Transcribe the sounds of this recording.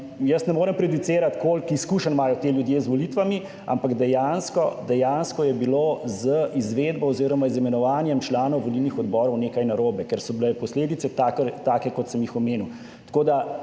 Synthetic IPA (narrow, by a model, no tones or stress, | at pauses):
jəst̪nɛmoːɾɛmpɾɛd̪ut̪seːɾat̪kolkiːskuːʃənmaːjɔt̪eːljud̪jeːzʋɔlit̪ʋami | a̰mpaɡd̪ɛjaːnskɔd̪ɛjanskɔjɛbilozəizʋed̪bɔɔziɾɔmazimɛnɔʋaːnjɛmt͡ʃlaːnɔwʋɔlilnixɔd̪bɔːɾɔwneːkajnaɾoːbɛkɛɾsɔbilɛpɔsleːd̪it̪sɛt̪akt̪aːkɛkɔt̪səmjixɔmeːniw | t̪koːd̪a